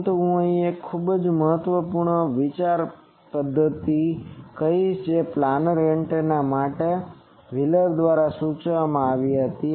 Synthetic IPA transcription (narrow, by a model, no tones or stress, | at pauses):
t̪uɦũəĩekʰːubd͡ʒməɦət̪ʋəpuɾɳəʋit͡ʃaɾ | pəd̪ʱːət̪ikəid͡ʒeplanɾeɳʈnamaʈe | ʋɪləɾd̪ʋaɾasut͡ʃʋamãaʋiɦət̪i